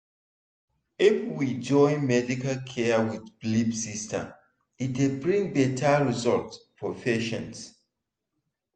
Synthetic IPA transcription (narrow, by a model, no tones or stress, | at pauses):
ifwid͡ʒɔ̃ɪ̃nmɛdikalkʰɛwiðblibsistʰə̰̃m | itdebɹĩŋbɛtʰaɹizɔltpʰɹɔfɛʃɔ̰̃ns